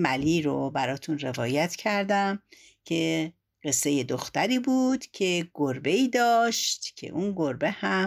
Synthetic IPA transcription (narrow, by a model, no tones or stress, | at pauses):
mæliːɾobæɾɒːt̪ʰunre̞vɒːjæt̪ʰcʰæɾd̪æm | cʰe̞ | ɢ̥e̞sːe̞je̞d̪oxt̪æɾiːbuːd̪̥cʰe̞ɡ̥oɾbeiːd̪ɒːʃt̪cʰe̞̰ʔunɡo̞ɾbe̞hæ